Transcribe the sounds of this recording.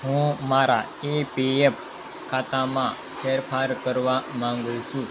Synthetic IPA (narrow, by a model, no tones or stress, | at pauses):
ɦũmaɾa | epief | kʰat͡s̪ãmã | fʰeɾfaɾkəɾʋamãŋɡusũ